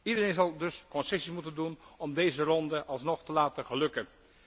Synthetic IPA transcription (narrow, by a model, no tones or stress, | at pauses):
idərenzɑlˠdɵskɔnsɛsimutəndunʔɔmdejzərɔndəʔɑlˠsnɔχtəlaːtəχəlɵkən